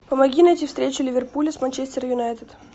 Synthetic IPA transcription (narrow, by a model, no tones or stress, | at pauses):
pəmɐɡʲinɐɛtʲifst̪ɾʲet͡ɕʊlʲɪvʲɪrpulʲɪsmɐnʲt͡ɕesʲt̪ʲɪɾəjʊnajt̪ɨt̪